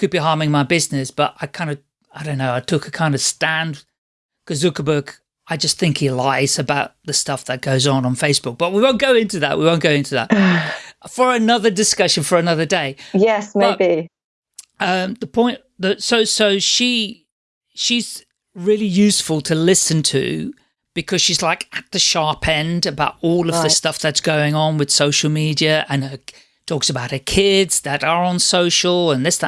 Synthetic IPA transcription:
kɨd̚biɦɑɹmɪ̃ŋmaɪbɪznɪsb̥ʌɾaɪkʰãɪ̃ndɨ | aɪdõʊ̃nːoʊaɪtʰʊkʰɨkʰãɪ̃ndɨ̥stæ̃nd | kʌzʉkəbʊk | aɪd͡ʒʌsθɪ̃ŋkhilaɪzɨbaʊt̪̚ðɨstʌfðɨt̚ɡ̥oʊzn̩ə̃n̩feɪsb̥ʊk̚b̥ʌt̚wiwõʊ̃nɡ̥oʊɪ̃ntʉðə̰ʔ̚wiwõʊ̃nɡ̥oʊɪ̃ntʰʉðə̰t̚ | fə˞ɨnʌðə˞dɨskʌʃɨ̃nfə˞ɨnʌðə˞deɪjɛsmebɪbi | ʌ̃mðəpʰɔ̃ɪ̃n | ðəsoʊsoʊʃi | ʃiz̥ | ɹɪlˠijʉsfəl̩ˠtʰɨlɪsɨ̃ntʰʉ̰ | b̥ɨkʰʌz̥ʃizlaɪkɨt̪̚ðɨʃɑɹpʰɛ̃ndɨbaʊɾɔlˠʌvðɨstʌfðɨtsɡ̥oʊɪ̃ŋə̃nwɨð̥soʊʃl̩ˠmidiɨʔɨ̃nə˞ | tʰɔksəbaʊt̚hə˞kʰɪdz̥ðɨɾə˞ə̃nsoʊʃl̩ˠə̃nðəs

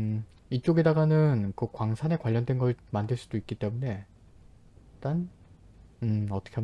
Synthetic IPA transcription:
it͡ɕ͈oɡe̞daɡanɯnkɯkwaŋsʰane̞kwaʎːʌndwenɡʌɭmandɯɭs͈ud̥oik͈it͈e̞mune̞ | t͈an | ɯʌt͈ʌ̥kʰe

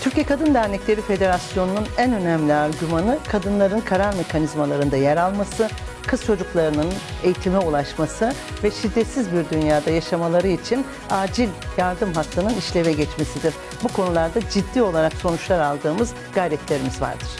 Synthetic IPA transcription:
t̪ʰyɾcɛkad̪ɯnd̪æɾnʲicʲlʲe̞ɾife̞d̪e̞ɾasjo̞nununænø̞næmlʲiaɾɟymanɯkʰad̪ɯnlˠaɾɯnkʰaɾaɾme̞cʰanizmalˠaɾɯnd̪ajæɾalˠmasɯ | kʰɯzt͡ʃʰo̞d͡ʒuklˠaɾɯnɯne̞jit̪ʰimɛulˠaʃmasɯvɛʃid̪ːɛt̪sizbiɾd̪ynjaːd̪ajaʃamalˠaɾɯit͡ʃʰin | aːd͡ʒilʲjaɾd̪ɯmɦaslˠanɯniʃlʲe̞vɛɟɛt͡ʃme̞sid̪iɾ̥ | bukʰo̞nulˠaɾd̪ad͡ʒid̪ːiːo̞lˠaɾakso̞nut͡ʃlˠaɾalˠd̪ɯːmɯz | ɡajɾɛt̪lʲe̞ɾimizva̰ɾd̪ɯɾ̥

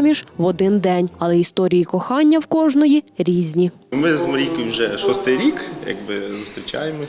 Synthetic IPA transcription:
mʲiʒʋɔd̪ɪnd̪ɛnʲɐlˠɛist̪ɔɾʲijikɔxɑnʲːɐwkɔʒnɔjiɾʲizʲnʲi | mɪzmɾʲikʊwʒɛʃɔst̪ɪjɾʲikjɐ̰ɡbɪzʊst̪ɾʲit͡ʃa̰jemɔ

